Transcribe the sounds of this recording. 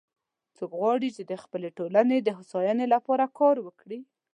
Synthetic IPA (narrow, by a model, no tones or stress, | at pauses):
t͡sokɣwɑɽit͡ʃed̪əxpəleʈolaned̪əɦʊsɑjɑnelapɑɾakʰɑɾwəkɽi